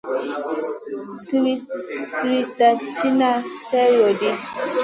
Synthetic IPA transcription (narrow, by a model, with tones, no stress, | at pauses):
swi˦si˦wi˦ta˨t͡ʃi˦na˦tɛ˦jo˨di˦